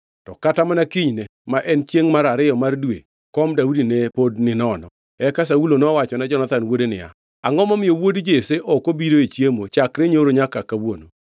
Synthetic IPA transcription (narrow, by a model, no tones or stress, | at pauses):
tɔkatamanakiɲnemaʔɛnt͡ʃjeŋmaɾaɾɪjɔmardwḛ | kɔmdaudinepodnɪnɔnɔ | ɛkas̬aulonɔwat͡ʃɔnad͡ʒɔnat̪anwodenɪ̰a̰ | aŋɔmɔmɪjowodd͡ʒeseʔɔkobiɾoet͡ʃjemot͡ʃakɾeɲoɾoɲakakawono